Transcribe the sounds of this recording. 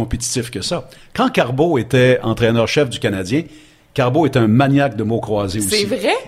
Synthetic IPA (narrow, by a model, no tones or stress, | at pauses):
ɔ̃pet̪i̥t̪ɪfkəsakɑ̃kaʁboet̪ɛɑ̰̃t̪ʁɛnœːʁʃɛfd̪ykʲanad͡z̪jɛ̃ | kaʁboɛt̪ɛɛ̃maɲak̚d̪əmokχwaːzeusɛvʁɛ